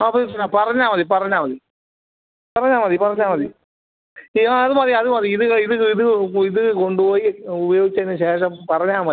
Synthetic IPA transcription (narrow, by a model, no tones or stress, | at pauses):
ɐpːɐsɔnːaːpɐɾɐɲaːmɐðipɐɾɐɲaːmɐði | pɐɾɐɲaːmaːðipɐɾɐɲaːmɐði | aːðɯmaːðɾiɐðɯmaːðɾiɪðɯɪðɯɯɪðɯɪðɯkːɯkɔɳɖɯpoːjiʊbɐjoːɣɪt͡ʃːɐɪnːɯʃeːʂɐ̃pɐɾɐɲaːmɐː